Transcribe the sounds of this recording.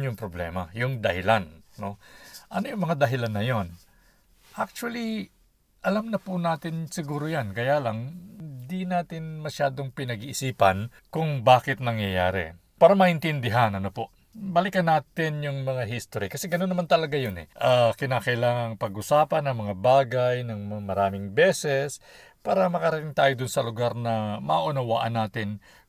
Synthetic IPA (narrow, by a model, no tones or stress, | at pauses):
jʊŋpɾoblɛ̰ːmɐ̰jʊŋd̪ɐhɪlanːo̞ʔɐnojʊŋmɐŋad̪ɐɦɪlanːɐjon | ʔak̚t͡ʃʊwɐli | ʔɐlamnɐpʊnaːt̪ɪnsɪɡuːɾojankɐjaːlɐŋd̪inaːt̪ɪnmɐʃaːd̪o̞ŋpɪnɐɡiʔːsiːpɐn | kʊŋbaːkɪt̪̚nɐŋjɐja̰ːɾɛ̰ | paːɾɐmɐʔɪnt̪ɪnd̪ɪɦanɐnopo | bɐlɪkɐnaːt̪ɪnjʊŋmɐŋaɦist̪oɾikɐsɛɡɐnonːɐmant̪ɐlɐɡajonɛ̰ʔakɪnaːkɐʔɪlaːŋɐŋpɐɡʔʊsaːpɐnːɐŋmɐŋabaːɡajnɐŋmmɐɾaːmɪŋbɛːsɛs | paːɾɐmɐkɐɾɐt̪ɪŋt̪aːjod̪ʊnsɐlʊɡaɾnɐmɐʔʔʊnɐwa̰ʔɐnaːt̪ɪn